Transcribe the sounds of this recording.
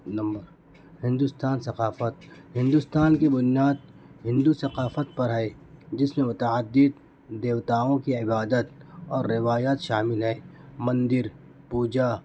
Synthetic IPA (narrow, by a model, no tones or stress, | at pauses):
nɐ̃mbəɾ | hɪ̃nd̪ʊst̪aːnsɐqaːfət̪̚ɦɪ̃nd̪ʊst̪aːnkebʊnijaːd̪̚ | ɦɪ̃nd̪usɐqaːfət̪̚pɐɾɦɛː | d͡ʒɪsmẽmʊt̪əəd̪ːɪd̪̚ | d̪eːʋt̪aːõkiɪbaːd̪ət̪ɔːɾːɪʋaːjaːt̪ʃaːmɪlɦɛːmɐ̃nd̪ɪɾ | puːd͡ʒa